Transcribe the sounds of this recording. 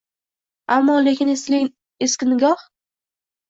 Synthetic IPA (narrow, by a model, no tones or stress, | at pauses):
amːɒle̞kʲɪnɪ | eskʲɪnɪɡʲɒh